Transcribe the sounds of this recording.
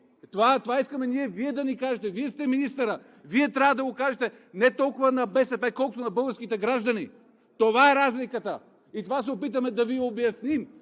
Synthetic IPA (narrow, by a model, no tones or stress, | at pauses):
t̪ovat̪ovaiskɐmɛniɛviɛd̪ɐnikaʒɛt̪ɛviɛst̪ɛminist̪ɐɾə | viɛt̪ɾʲavəd̪ɐɡokaʒɛt̪ɛ | nɛt̪ɔlˠkʊvɐnɐbɛsɛpɛkɔlˠkʊt̪onɐbɤlˠɡəɾskit̪ɛɡɾaʒd̪ɐni | t̪ovaɛɾazlikət̪ə | it̪ovasɛopit̪ɐmɛd̪ɐviobjɐsnim